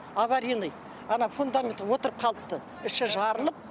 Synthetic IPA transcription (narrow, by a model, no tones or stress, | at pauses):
ɑβɑɾinˠəj | ɑnɑfund̪amʲent̪wo̞t̪əɾəp̚qʰɑlˠəp̚t̪ə | ɪʃɪʒɑɾəlˠəp̚